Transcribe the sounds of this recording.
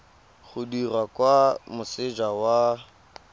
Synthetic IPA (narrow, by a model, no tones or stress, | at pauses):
ɣʊdirwakwamʊsɪd͡ʒawa